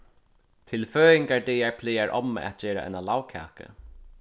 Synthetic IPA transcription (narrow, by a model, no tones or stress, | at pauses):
t̪ʰɪlføːɪŋkaɹd̪ɛːjaɹpʰlɪːaɹʔɔ̰m̰ːʔa̰t̪̚d͡ʑɛːɾa̰ʔɛ̰nalawkʰa̰ːkə̰